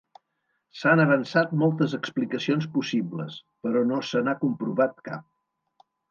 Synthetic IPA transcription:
sanəβənsat̪mɔlˠt̪əzəksplikəsionspusiblə̰spəɾɔnosənakumpɾuβat̪ka̰p̚

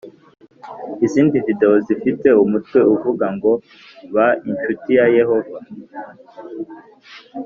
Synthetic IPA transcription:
iziːndivide̞ozifite̞umutkwe̞uvuɡaŋɡo̞ | βaint͡ʃutijaje̞ho̞va

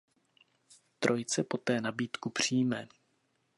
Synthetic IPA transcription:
t̪ɾʔo̞jt͡sɛpo̞t̪ɛːnabiːt̪kupr̝̥iːmɛː

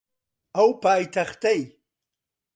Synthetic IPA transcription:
awpaːjt̪ʰaχt̪aj

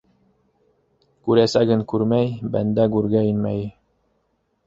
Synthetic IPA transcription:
kʉɾæsæɡɘnkʉɾmæjbæ̰nd̪æɡʉɾɡæinmæ̰j

